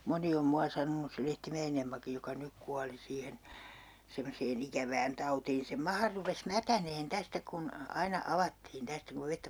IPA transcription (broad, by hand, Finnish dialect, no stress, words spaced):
moni om muɑ sɑnonus se lehtimæen emːɑkij jokɑ nyk kuɑli siːhen semːoseːn ikæʋæːn tɑutiːn sem mɑhɑ rupes mætæneːn tæstæ kun ɑinɑ ɑʋɑtːiːn tæstæ kuʋ ʋetːæ